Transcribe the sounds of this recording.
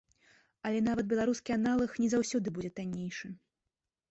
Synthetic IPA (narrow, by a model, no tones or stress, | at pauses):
ɐlʲɛnavɐt̪̚bʲɛlˠaɾuskʲianalˠɐxnʲɛzawsʲɔd̪ɨbud͡zʲɛt̪anʲːejʂɨ